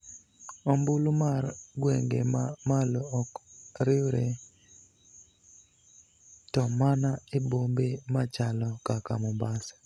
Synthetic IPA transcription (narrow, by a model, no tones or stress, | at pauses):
ɔmbʊlumarɡweŋɡḛmmaloɔkɾɪwɾe | tɔmanaebombemat͡ʃalɔkakamɔmbas